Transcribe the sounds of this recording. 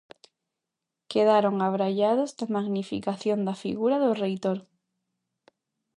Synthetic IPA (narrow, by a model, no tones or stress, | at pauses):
keðaɾoŋaβɾaʎaðʊzd̪amaɣnifḭkaθjond̪afḭɣuɾaðʊrejt̪oɾ